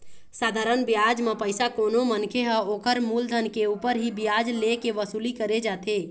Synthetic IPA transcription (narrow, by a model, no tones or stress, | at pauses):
saːd̪ʱaːɾənbjad͡ʒmepəɪsakoːnomənkʰeɦə̃oːkəɾmuːld̪ʱənkeuːpəɾɦibjad͡ʒlekeʋəsuːlikəɾed͡ʒaːt̪e